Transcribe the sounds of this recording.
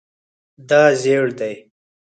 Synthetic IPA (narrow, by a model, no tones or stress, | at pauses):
d̪aːzeːɽd̪aj